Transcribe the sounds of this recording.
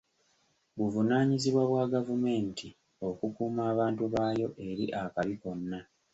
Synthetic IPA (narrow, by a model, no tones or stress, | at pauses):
βuvunaːɲiziβwaβwaɡavume̞ːntʰi | o̞kukuːmaːβaːntuβaːjo̞ʔe̞ɾḭʔakaβiko̞nːa